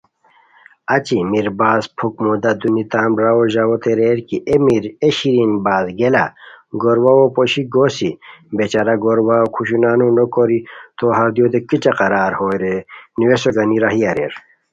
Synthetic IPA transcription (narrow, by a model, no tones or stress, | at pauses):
ɐt͡ɕimiɾbaːzpʰukmud̪ad̪unit̪aːmɾaoʑawot̪eɾeɾkiʔemiɾeɕiɾinbaːzɡelaɡoɾwawopoɕiɡoːsibet͡ɕaɾaɡoɾwakʰuɕunaːnunokoɾit̪oɦɐɾd̪jod̪ekit͡ɕaqɐɾaːɾhoɾeniwesoɡɐniɾaɦijaɾeɾ